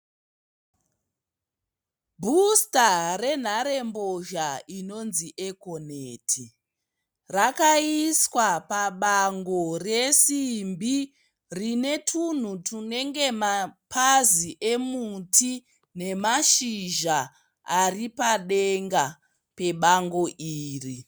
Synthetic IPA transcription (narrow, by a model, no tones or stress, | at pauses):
bʱustare̞n̤aɾe̞mboʒaino̞nziʔeko̞neːtʰi | rakaiswapaɓaŋɡo̞resimbi | rine̞tʰun̤utʰune̞ŋɡe̞mapʰaziʔe̞mutʰi | ne̞maʃiʒa | aripaɗeŋɡa | pe̞ɓaŋɡo̞ʔiːri